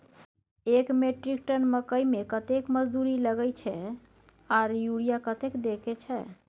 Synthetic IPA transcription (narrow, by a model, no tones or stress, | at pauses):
ekmeʈɾik̚ʈənməkəjmekət̪ekməd͡ʒd̪uɾiləɡəjt͡ʃʰɛ | aɾjuɽijakət̪ekd̪ekɛt͡ʃʰɛ